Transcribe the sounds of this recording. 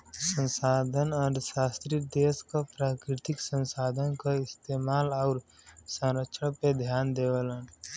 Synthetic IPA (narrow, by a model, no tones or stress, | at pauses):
sə̃nsaːd̪ʱənɔːɾʃaːst̪ɾid̪eːskapɾaːkɾɪt̪ɪksə̃nsaːd̪ʱənkaɪst̪eːmaːlɔːɾsə̃ɾəkʃʰəɽ̃ped̪ʱjaːnd̪eːʋələn